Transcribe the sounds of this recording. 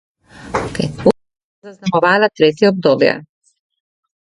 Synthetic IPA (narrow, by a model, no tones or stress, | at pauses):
kɛ̰ju | zaznamɔvalat̪ɾɛt̪iɔb̚d̪ɔbijɛ̰